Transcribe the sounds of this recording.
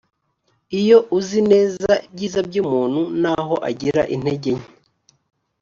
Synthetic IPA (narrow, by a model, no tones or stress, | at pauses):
ijo̞ʔuzine̞ːzabɟiːzab̚ɟuːmuːn̥hunaːɦo̞ʔa̰ɟiɾa̰ʔin̥he̞ɟe̞ɲi